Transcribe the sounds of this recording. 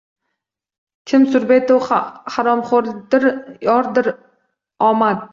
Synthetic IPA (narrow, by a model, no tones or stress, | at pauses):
kʲʰɪmsʊɾbet̪owhaɾɒmχoɾd̪ɪɾjɒɾd̪ɪɾ | ɒmad̪̚